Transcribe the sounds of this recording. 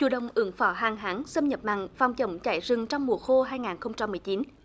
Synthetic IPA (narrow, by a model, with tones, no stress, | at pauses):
t͡ɕṵ˧˩ɗə̰˨˩wŋ͡mʔɨ˨˧˩əŋfɔ˧˩˦ɦaː˨˩ŋɦaː˨˦ŋsə˧mɲə˨˩p̚ma̰ː˧˨ŋfaː˨˩wŋ͡mt͡ɕə̰˧˩wŋ͡mt͡ɕa̰ː˧˩jzɨ˨˩ŋt͡ɕɔ˧wŋ͡mmu˨˩əxo˧ɦaː˧jŋaː˨˩nxə˧wŋ͡mt͡ɕa˧mːɨ˨˩jt͡ɕi˨˦n